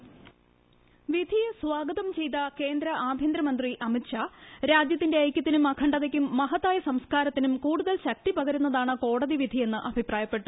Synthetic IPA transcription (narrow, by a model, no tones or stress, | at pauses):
ʋid̪ʱijɐsʋaːɡɐðɐmt͡ɕe̞jt̪ɐke̞ːnd̪ɾɐʔaːb̪ʱjɐnd̪ɾɐmɐnd̪riʔɐmitɕʰaɾaːd͡ʑjɐt̪ːinde̞ɐjkʲːɐt̪ːinumɐkʰɐɳɖɐðɐkʲːumːɐɦɐt̪ːaːjɐsɐmskaːɾɐt̪ːinumkuːɽuðɐlɕɐk̚t̪ipɐɣɐɾunːɐðaːɳɨko̞ːɽɐðiʋid̪ʱie̞nːɨʔɐbʱipraːjɐpːe̞ʈːu̥